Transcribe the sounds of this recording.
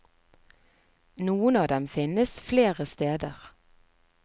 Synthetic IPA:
nuːənɑːd̪ɛmfɪnəsfleːʁəst̪eːd̪əʁ

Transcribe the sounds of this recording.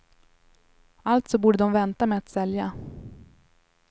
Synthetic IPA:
alt̪sɔbuːɖəd̪ɔmvɛnt̪ameat̪sɛlja

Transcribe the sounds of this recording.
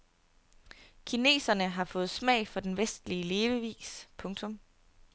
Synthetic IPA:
kʰine̝̰ːsɐnəɦɑ̈fɔ̽ːð̞̩ˠsmɛ̰ɪ̰fɒ̽d̥enʋesd̥liəle̝ːʋəʋḭːspʰɔ̽ŋt͡sʰɔ̽m

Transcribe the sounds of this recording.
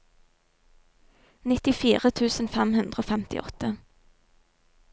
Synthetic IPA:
nɪt̪ɪfiːʁət̪ʰʉːsn̩fɛmhʉnd̪ʁəoːfɛmt̪ɪ̰ʔɔ̰t̪ə

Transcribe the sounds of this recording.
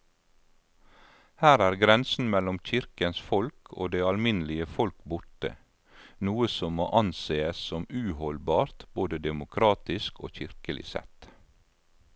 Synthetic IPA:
hæːɾæːɾɡɾɛnsn̩mɛlɔmc͡çɪɾkənsfɔlkʰo̰ːd̪eːɑlmɪnlɪəfɔlkbʊʈə̰ | nuːəsɔmmoːʔɑnseːəssɔmʉːhɔlbɑːɾt̪boːd̪əd̪ɛmʊkʰɾɑːt̪ɪsko̰ːçɪɾkəlɪ̰sɛ̰t̪

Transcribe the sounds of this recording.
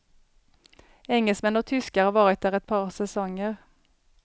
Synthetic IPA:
ɛŋəlsmɛnoːt̪ʰʏskəɑʋɑːʁɛt̪d̪əʁɛt̪̚pʰɑːʁsɛsɔŋəʁ

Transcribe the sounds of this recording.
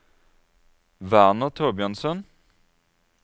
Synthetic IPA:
ʋæʁnəʁt̪ʰoːbɪɑnsən

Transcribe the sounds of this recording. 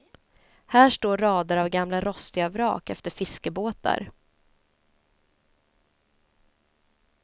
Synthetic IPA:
hæːʂʈoːɾɑːd̪aɾavɡamlaɾɔst̪ɪɡavɾɑ̰ːkɛ̰ft̪əɾfɪskəboːt̪a̰ɾ

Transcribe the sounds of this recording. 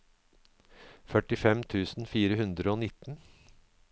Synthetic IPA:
fœʈɪfɛmt̪ʰʉːsn̩fiːɾəhʉnd̪ɾəoːnɪt̪ːn̩

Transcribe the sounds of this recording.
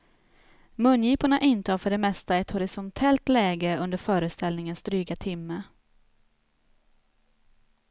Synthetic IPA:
mɵnːjiːpaɳaʔɪnt̪əhafœɖɛmɛst̪aɛt̪hɔɾɪsɔnt̪ʰɛlt̪lɛːɡəɵnd̪əɾfœːɾəst̪ɛlnɪŋənsd̪ɾyːɡat̪ʰɪmːə

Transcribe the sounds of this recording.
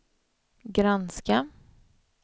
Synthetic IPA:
ɡɾanska

